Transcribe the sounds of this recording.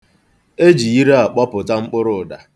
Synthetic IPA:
e˦d͡ʒi˨i˦ɾe˦a˨k͡pɔ˦pʊ˨ta˦ŋ͡m̩˦k͡pʊ˦ɾʊ˨da˨

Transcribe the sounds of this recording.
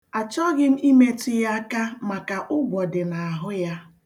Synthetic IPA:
a˨t͡ʃɔ˦ɣɪ˦m̩˦i˦me˦tu˦ja˦ka˦ma˨ka˨ʔʊ˦ɡʷɔ˨dɪ˨na˨a˨ɦʊ˦ja˦

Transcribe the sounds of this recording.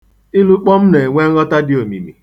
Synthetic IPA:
ɪ˦lu˦k͡pɔ˦m̩˦ne˨ŋʷe˦ŋ̩˦ɾɔ˦ta˦dɪ˦o˨mḭ˨mi˨

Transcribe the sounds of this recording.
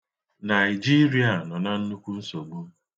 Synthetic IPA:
na˨ɪ˨d͡ʒi˦ɾi˦a˨nɔ˨na˦n̩˦nu˦kʷu˦n̩˦so˨ɡ͡bu˦

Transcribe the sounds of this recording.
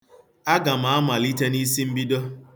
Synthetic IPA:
a˦ɡa˨ma˨a˦ma˨li˦te˦ni˦si˦m̩˦bi˦do˦

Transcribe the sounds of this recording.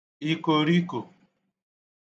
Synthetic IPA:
i˦ko˨ɾi˦ko˨

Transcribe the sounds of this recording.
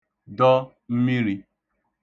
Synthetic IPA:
dɔ˦ | m̩˦mi˦ɾi˦

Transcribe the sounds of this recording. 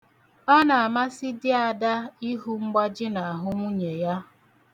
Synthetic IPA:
ɔ˦na˨a˨ma˦sɪ˦dɪ˦a˨da˦i˦ɦu˦ŋ͡m̩˦ɡ͡ba˦d͡ʒɪ˦na˨a˨ɦʊ˦ŋʷu˦ɲe˨ja˦

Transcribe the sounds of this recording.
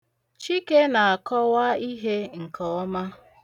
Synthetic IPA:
t͡ʃi˦ke˦na˨a˨kɔ˦wa˦i˦ɦe˦ŋ̩˨kɔ˨˦ma˦

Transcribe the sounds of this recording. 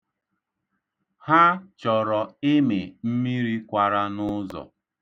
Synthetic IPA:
ha˦t͡ʃɔ˨ɾɔ˨ɪ˦me˨m̩˦mi˦ɾi˦kʷa˨ɾa˦nʊ˦zɔ̰˨

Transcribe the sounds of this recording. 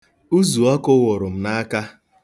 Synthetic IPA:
u˦zu˨ɔ˦kʊ˦wʊ˨ɾʊ˨m̩˨na˦ka˦

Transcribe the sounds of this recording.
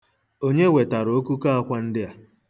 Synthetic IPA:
o˦ɲe˦we˨ta˨ɾo˦ku˦ka˦a˦kʷa˦n̩˦dɪ˦a˨

